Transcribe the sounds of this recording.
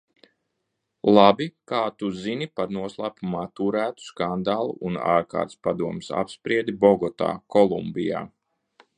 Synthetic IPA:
lˠabikaːt̪uzinipaɾnuɔslˠaːpumaːt̪uɾæːt̪u̥skand̪aːlˠṵʔːna̰ːɾka̰ːɾt̪spad̪uɔmsa̰pspɾiɛd̪ibɔɡɔt̪a̰ːkɔlˠumbija̰ː

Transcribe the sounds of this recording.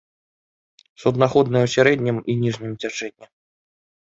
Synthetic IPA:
sud̪naxɔd̪nɨwsʲaɾɛd̪ʲnʲiminʲiʐnʲimt͡sʲat͡ʂɛd̪ʲnʲːi

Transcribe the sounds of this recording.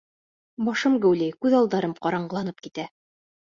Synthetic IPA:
bɑʃɤmɡæwlæjkʉðɑlˠd̪ɑɾɤmqɑɾɑɴɢɤ̆lˠɑnɤp̚kit̪æ

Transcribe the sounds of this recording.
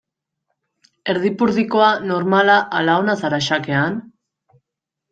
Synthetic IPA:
e̞ɾðipuɾðiko̞ano̞ɾmalaʔalaonasaɾaʃake̞an

